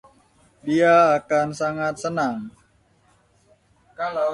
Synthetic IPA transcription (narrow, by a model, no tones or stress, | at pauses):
diaːkansaŋat̪̚sənaŋ